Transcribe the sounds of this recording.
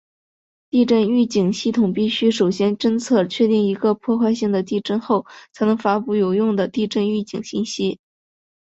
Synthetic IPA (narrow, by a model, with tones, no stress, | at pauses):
t̪i˥˧ʈ͡ʂə˥˧ny˥˩t͡ɕi˨˩ŋɕi˥˩t̪ʰʊ˨˩ŋpi˥˩ɕy˥ʂo˨˩ʊɕjɛ˥nʈ͡ʂə˥nt͡sʰɤ˥˩t͡ɕʰɥɛ˥˧t̪i˥˩ŋi˧˥ɡə˧pʰwɔ˥˧xwa˥˧ɪɕi˥˩ŋd̪ə˩t̪i˥˧ʈ͡ʂə˥nxo˥˩ʊt͡sʰa˧˥ɪnɤ˧˥ŋfa˥pu˥˩jo˨˩ʊjʊ˥˩ŋd̪ə˩t̪i˥˧ʈ͡ʂə˥˧ny˥˩t͡ɕi˨˩ŋɕi˥˧nɕi˥